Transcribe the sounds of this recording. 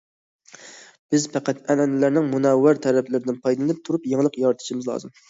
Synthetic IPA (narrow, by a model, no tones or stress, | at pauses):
b̥ɪzpʰæqʰæt̪ɛnɛnɪlæɾnɪŋmunɛwːæɾt̪ʰæɾɛpʰlɪɾɪd̪ɪnpʰɑjd̪lɨnɨp̚t̪ʰuɾupjeŋəlˠəqjɑɾɨt̪ʰɨ̥ʃʰimɪzlˠɑ̰ːzɨm